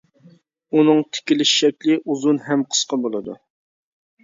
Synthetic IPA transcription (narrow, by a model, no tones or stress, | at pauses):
unɨŋt̪ʰɪ̥kʲilɪʃːɛkʲlɪʔuzunɦɛmqʰə̥sqɑbolˠɨd̪ṵ